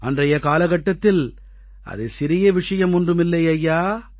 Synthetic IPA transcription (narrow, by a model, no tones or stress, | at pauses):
ɐndrɐjɐkaːlɐɣɐʈːɐt̪ːɪl | ʔɐ̰ðɐsɪɾɪjɐʋɪʂɐjɐmʊndrɯmɪlːɐjɐjːaː